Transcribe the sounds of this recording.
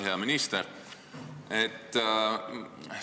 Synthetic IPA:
ɦeɑminist̪eɾ | et̪ː

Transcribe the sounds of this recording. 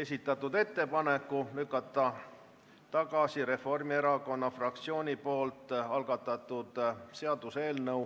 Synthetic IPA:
e̞sʲit̪ːˑɑt̪ːˑud̪e̞t̪ːe̞pɑnekːˑulykːˑɑt̪ːˑɑ | t̪ɑɡ̥ɑsiɾe̞fo̞rmie̞ɾɑko̞nːɑfrɑk̚t̪sio̞ːnʲipo̞ːlt̪ːˑɑlɡ̥ɑt̪ːˑɑt̪ˑːud̪̥se̞ɑd̪̥use̞ːlnɤw

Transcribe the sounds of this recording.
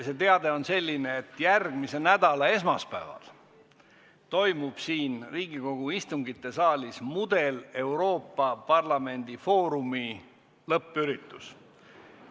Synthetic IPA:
se̞t̪e̞ɑd̪e̞o̞nse̞lʲːineet̪ːjærɡ̥mise̞næd̪̥ɑlɑe̞smɑspævɑ̰l | t̪o̞jmub̥siːnriːɡ̥iko̞ɡ̥uist̪uŋɡit̪ːˑe̞sɑːlʲismud̪e̞le̞wɾo̞ːpːɑpɑrlɑme̞nʲd̪̥ifo̞ːɾumi | lɤpːˑyɾit̪ːˑus

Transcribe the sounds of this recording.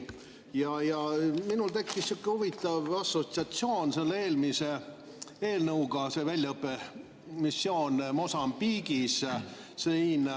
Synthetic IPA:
jɑjɑminult̪e̞kːisːukːehuvit̪ːˑɑvɑsːo̞t̪siɑt̪sio̞ːnse̞lːeeːlmise | eːlnɤuɡ̥ɑse̞vælʲjɑɤpːe | misːjo̞ːnmo̞sɑmbiːɡissin

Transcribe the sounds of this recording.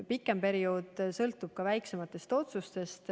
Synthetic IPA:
pikːˑe̞mpe̞ɾioːd̪̥sɤlt̪ːˑub̥̚kɑvæjkse̞mɑt̪ːˑe̞st̪o̞t̪sust̪e̞st̪

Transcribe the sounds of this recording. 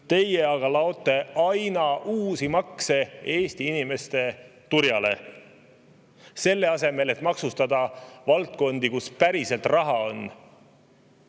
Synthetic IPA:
t̪e̞je̞ɑɡ̥ɑlɑo̞t̪ˑːe̞ɑjnɑʔuːsimɑkse̞e̞ːst̪iinime̞st̪e̞t̪uɾjɑle̞̰ | se̞lːe̞ɑse̞me̞le̞t̪ːˑmɑksust̪ɑd̪ɑvɑlt̪̚ko̞nd̪̥ikuspæɾise̞lt̪ˑrɑɦɑo̞n

